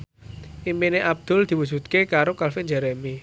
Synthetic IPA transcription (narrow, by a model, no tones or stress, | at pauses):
ʔimpineʔab̚d̪̥ʊ̤ld̪̥i̤wu̥d͡ʒ̥ṳt̪̚kekaɾokalfɪnɲd͡ʒɛɾemi